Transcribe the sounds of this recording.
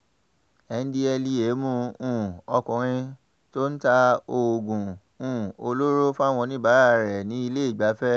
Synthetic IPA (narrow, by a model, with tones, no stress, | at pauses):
ɛ˨˧n̩˦di˦ɛ˧li˧e˨˦mũ˦˧ũ˦˨ɔ˧kũ˨ɾ̃ĩ˧ | to˦n̩˦ta˧o˧˨ɡũ˨ | ũ˦˨o˧lo˦ɾo˦fa˦˨w̃ɔ̃˧nĩ˦˨ba˨˦ɾa˦˨ɾɛ˨nĩ˨˦i˧le˦i˦˨ɡ͡ba˨˦fɛ˦